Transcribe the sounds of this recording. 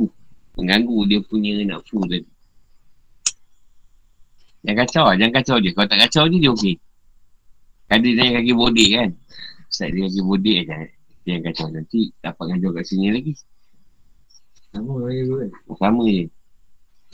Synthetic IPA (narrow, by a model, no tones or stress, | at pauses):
əŋɡaŋɡudiəpuɲəna̰ʔfut̪adi | jaŋkat͡ʃawad͡ʒaŋkat͡ʃawdiəkalot̪aʔkat͡ʃawdiədiəoke | kadinaɲkakibodeʔkant̪a̰ʔdiəkak̬ibodeʔad͡ʒa | t̪ijaŋkat͡ʃawnant̪it̪apaʔ̚ŋad͡ʒɔkaʔsinilaɡi | saməajɡuasamədə